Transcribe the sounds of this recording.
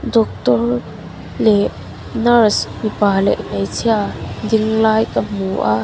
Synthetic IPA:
dɔk̚t̪ɔr | lɛ | nɐrsmipalɛ̰ʔnejt͡sʰiadɪŋlaːjkamuʔaʔ

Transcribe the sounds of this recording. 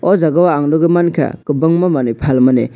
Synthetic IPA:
ɔzaɡawaaŋdɔɡɯmankʰa̰kɯbɯŋmamanipʰalmanḛ

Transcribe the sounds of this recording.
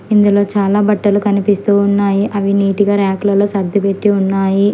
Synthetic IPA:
ind̪ulo̞ːt͡ʃaːlaːbɐʈːɐlukɐnipist̪uːunːaːjiʔɐʋiniːʈiɡaːɾaːklɐloːsɐɾd̪ʱipe̞ʈːiunːaːji

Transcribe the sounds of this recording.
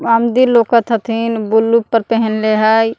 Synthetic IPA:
amd̪ilokət̪ʰɦət̪ʰinbulːupːəɾpəɦənleɦaj

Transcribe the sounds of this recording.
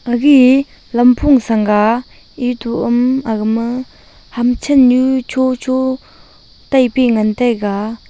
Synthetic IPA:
ʔaɣi | lampʰoŋsaŋɡa | ʔit̪uʔəmakmə | hamt͡ɕʰənjut͡ɕʰot͡ɕʰo | t̪ajpiŋant̪ajka

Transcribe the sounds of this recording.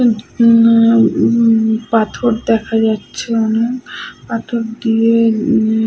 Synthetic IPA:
pat̪ʰoɾd̪ɛkʰad͡ʑatːɕʰeɔnepat̪ʰoɾd̪ie

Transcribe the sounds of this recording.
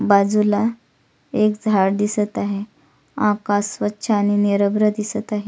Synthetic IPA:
bad͡zula | ekd͡zʱaɽd̪isət̪aɦe | akasːʋətːɕʰəaːñineɾəbɾəd̪isət̪aɦe

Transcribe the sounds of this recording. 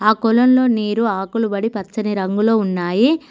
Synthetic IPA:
aːkulɐnlo̞ːniːɾuaːkulubɐɽipɐt͡ʃːɐniɾɐŋɡulo̞ːunːaːji

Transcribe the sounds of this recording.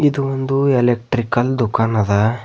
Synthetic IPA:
id̪uond̪uelek̚ʈɾikɐld̪ukaːnɐd̪ɐ

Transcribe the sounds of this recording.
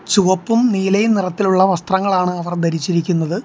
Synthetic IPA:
t͡ɕuʋɐpːumniːlɐjnirɐt̪ːiluɭːɐʋɐst̪rɐŋːɐɭaːɳɨɐʋɐrd̪ʱɐɾit͡ɕːiɾikʲːunːɐðɨ

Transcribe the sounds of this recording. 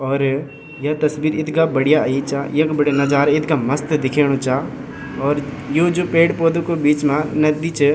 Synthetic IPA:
ɔːɾ | jɐt̪ɐsbiːɾɪt̪ɡabəɽijait͡ʃaːjɐkbəɽjanɐd͡ʒaːɾaɪt̪kaməst̪d̪ɪkʰeːɽ̃õt͡ʃa | ɔːɾ | joːd͡ʒoːpeːʈpoːd̪õkobiːt͡ʃmãnɐd̪it͡ʃ

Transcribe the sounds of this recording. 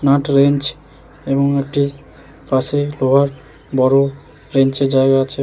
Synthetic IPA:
naʈɾent͡ʃ | eboŋek̚ʈi | paseloɦaɾ | bɔɾo | ɾent͡ʃeɾd͡ʒaeɡaːt͡ʃʰe

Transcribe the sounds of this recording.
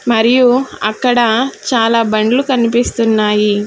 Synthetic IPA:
mɐɾijuɐ̰kːɐɽɐt͡ʃaːlaːbɐɳɖlukɐnipist̪unːaːji

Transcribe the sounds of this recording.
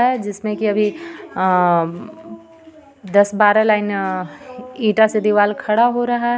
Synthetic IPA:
ɦɛd͡ʒɪsmẽkiɐbʱi | d̪ɐsbaːɾalaːɪn | iːʈased̪iʋaːlkʰɐɽaɦoɾɐɦa

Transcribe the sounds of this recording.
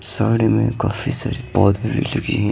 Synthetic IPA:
saːɽemḛ̃kaːfisa̰ːɾipɔːd̪abʱilɐɡiɦɛ̃

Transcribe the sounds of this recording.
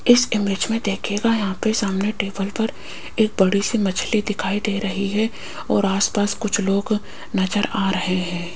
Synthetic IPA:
ɪsɪmɪd͡ʒmẽd̪eːkʰeːɡajɐɦãpesaːmneʈeːbəlpɐɾ | eːk̚bɐɽisimɐt͡ʃʰlid̪ɪkʰaːid̪eːɾɐɦiɦɛ | ɔ̰ːɾaːspaːskʊt͡ʃʰloːɡ | nɐd͡ʒəɾaːɾɐɦeɦɛ̃ː

